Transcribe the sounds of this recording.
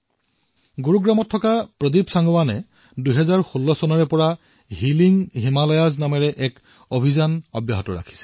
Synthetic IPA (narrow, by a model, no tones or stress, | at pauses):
ɡuɹuɡɹamɔtʰːɔkapɹɔdibsaŋɡɔwanɛ | duɦɛzaɹxulːɔsɔnɔɹɛpɔɹa | ɦiliŋɦimalɔjaznamɛɹɛʔɛk | obʱizanɔ̰bja̰ɦɔtɔɹa̰kʰi̥sɛ̥